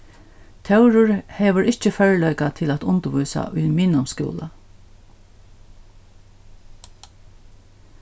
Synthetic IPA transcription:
t̪ʰɛwɾʊɹhɛːʋəɹʔɪht͡ʃəfœɹlœjkat̪ʰɪlæt̪ʊnt̪əʋujsa̰ʔʊjmɪːnʊmskṵːla̰

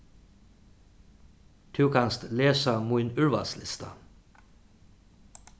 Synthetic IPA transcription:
d̪̥ʰʉːkʰɑnst̪leːsəmuɪnʉɹʋɑ̰slɪ̰st̪ɑ̰

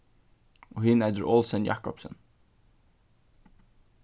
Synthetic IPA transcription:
ʔoːhɪnæd̪əɾʔɔlsənjɑ̰kɔpsə̰n

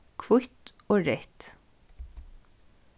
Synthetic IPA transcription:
kʰʋʊçt̪ | oːɹɛt̪

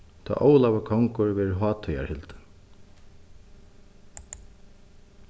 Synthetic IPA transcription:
t̪ʰa̰ːʔoːwlavakʰɔŋkʊɹvɛːɾɦɑːt̪ʰœja̰ɹhɪlt̪

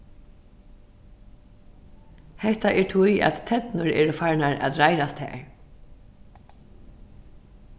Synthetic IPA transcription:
hɛht̪aʔɛɹt̪ʰuja̰ðt̪ʰːɛt̪nʊɹɛ̰ːɹəfaɹnaɹa̰ðɾajɾast̪hɛ̰ːɹ

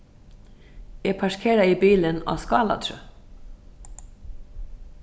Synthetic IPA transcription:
ɛpʰaʂkʰeːɾaibiːlɪna̰ːskɑːla̰t̪ʰɾʏ

